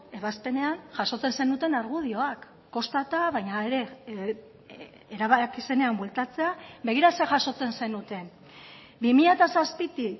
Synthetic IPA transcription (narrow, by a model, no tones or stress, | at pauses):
e̞βaspe̞ne̞anʝaʃo̞t͡se̞nse̞nut̪e̞naɾɣ̞uð̞io̞akː | o̞st̪at̪aβajɲaeɾe̞ | ɾaβakise̞ne̞ambwe̞lt̪at͡se̞abe̞ɣ̞iɾase̞ʝaʃo̞t͡se̞nse̞nut̪e̞n | bimiʎat̪asaspit̪i